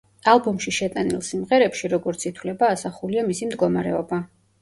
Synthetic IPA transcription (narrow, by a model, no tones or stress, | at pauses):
alˠbɔmʃiʃɛt̪ʼanḭlˠsimʁɛɾɛpʃiɾɔɡɔɾt̪sʰit̪ʰwlɛbaːsaχuliamisimd̪ɡɔmaɾɛɔba